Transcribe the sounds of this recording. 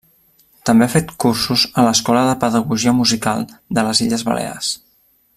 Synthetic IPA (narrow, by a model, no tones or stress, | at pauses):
t̪əmbeafet̪kursuzələskɔləðəpəðəɣuʒiəmuzikalˠd̪ələziʎəzβə̰lʔḛa̰s